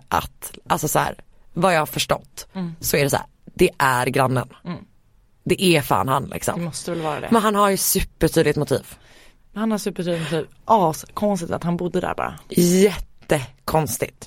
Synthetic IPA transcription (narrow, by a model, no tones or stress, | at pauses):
ʔa̰t̪ʔalsɔshæ̰ːɾ | vajɑːhaɾfœʂʈɔ̰t̪ːsɔæɖɛsæ̰ːɾd̪ɛʔæɾɡɾanːən | d̪ɛʔæfa̰ːnha̰nlʔɪ̰ksɔ̰mmmɔst̪əvɛlvɑːɾa̰d̪ɛ̰mɛnɦanɦaɾjɵsʉ̟pːəʈʰyːd̪lɪt̪mʊt̪ʰḭːv | mɛhanhaɾsʉ̟pːəʈʰyːd̪ɪt̪mʊt̪ʰiːvʔɑːskʰɔnst̪ɪt̪a̰t̪hanbʊd̪ːəd̪æ̰ɾbɑ̰ːɾa̰jɛt̪ːəkʰɔnst̪ɪt̪